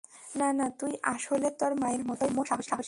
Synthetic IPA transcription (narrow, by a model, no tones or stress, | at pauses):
nanat̪ujʔaʃolet̪aɾmaeɾmɔt̪ojmoʃakoʃʃakoʃ